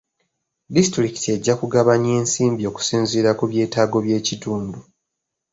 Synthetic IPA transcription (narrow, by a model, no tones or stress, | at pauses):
distɾiki̥tie̞ɟːakuɡaβaɲe̞ːnsiːmbio̞ku̥siːnziːɾakuβje̞ːtaːɡo̞βje̞ːcituːndu